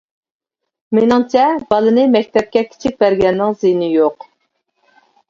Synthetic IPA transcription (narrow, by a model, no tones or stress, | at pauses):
menɪŋt͡ʃʰɛbɑlˠɨnɨmɛk̚ʲt̪ʰɛp̚kʲɛkʲʰi̥t͡ʃʰik̚ʲbæɾɡʲɛnːɪŋzɨjnɪjoq